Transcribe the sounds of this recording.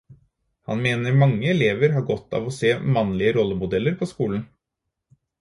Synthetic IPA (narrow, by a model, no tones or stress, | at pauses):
hɑ̰nmeːnəɾmɑŋːəɛleːʋəɾɦɑɾɡɔt̪ːɑ̰ːʋɔseːmɑnlɪəɾɔlːəmʊd̪ɛlːəɾpʰɔskuːln̩